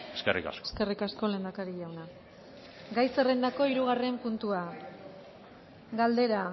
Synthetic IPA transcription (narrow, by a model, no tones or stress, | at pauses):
eskerḭka̰seske̞rikasko̞le̞ːnd̪akaɾiʎawna | ɡajse̞rend̪ako̞iɾuɣ̞are̞mpunt̪ua | ɡald̪e̞ɾa